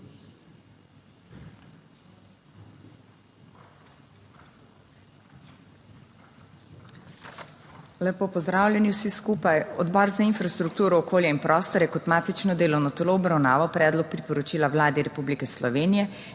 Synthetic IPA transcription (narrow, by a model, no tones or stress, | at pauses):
lɛpopɔzd̪ɾaːwlʲjɛniwsiskuːpajɔd̪bɔːɾzainfɾast̪ɾuk̚t̪uːɾɔːkoːljɛinpɾʔɔːst̪ɔɾɛkɔt̪maːt̪it͡ʃnɔd̪eːlɔwnɔt̪ɛloːbɾawnaːʋawpɾɛːd̪lɔk̚pɾipɔɾɔt͡ʃiːlawlaːd̪iɾɛpublikɛslɔʋeːnijɛ